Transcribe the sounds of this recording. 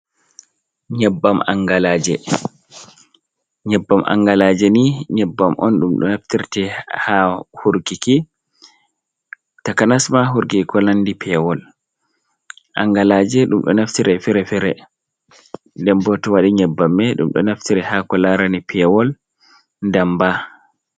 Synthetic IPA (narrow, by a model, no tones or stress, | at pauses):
ɲɛbːama̰ŋɡalaːd͡ʒɛ | ɲɛbːamʔa̰ŋɡalaːd͡ʒɛniɲɛbːamʔɔ̰nɗumɗɔ̰naftiɾtɛhahuɾɡiki | takanasmaɦuɾɡikɔnandipʰɛwɔl | ʔa̰ŋɡalaːd͡ʒɛɗumɗɔ̰naftiɾɛfiɾɛfɛɾɛ | ndɛmbɔtɔwaɗiɲɛbːamːɛɗṵmɗɔ̰naftiɾɛhakɔlaɾanipʰɛwɔl | ndamba